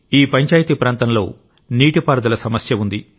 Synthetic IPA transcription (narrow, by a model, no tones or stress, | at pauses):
iːpɐɲt͡ʃaːjit̪ipɾaːnt̪ɐmlo̞̰ː | niːʈipaːɾɐd̪ɐlɐsɐmɐsjɐund̪i